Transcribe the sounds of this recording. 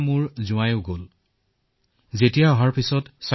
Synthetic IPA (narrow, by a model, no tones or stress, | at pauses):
mʊɹzʊ̃ajoʊɡol | zetijaɔɦaɹpisɔtsa